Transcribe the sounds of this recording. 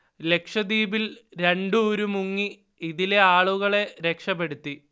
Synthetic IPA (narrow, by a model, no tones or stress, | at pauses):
le̞kʂɐd̪iːbilɾe̞ɳɖɨoɾumuŋːi | iðile̞aːɭuɣɐɭe̞ɾe̞kʂɐpːe̞ɽut̪ːi